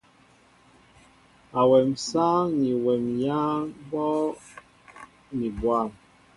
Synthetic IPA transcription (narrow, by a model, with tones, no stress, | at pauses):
a˨wɛ˨msaː˦ni˨wɛ˨mjaː˦bɔ˦ | ni˨bwa˦˨m